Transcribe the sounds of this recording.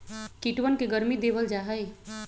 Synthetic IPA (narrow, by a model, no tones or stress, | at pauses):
kiʈwənkeɡəɾmid̪eʋəld͡ʒaɦəj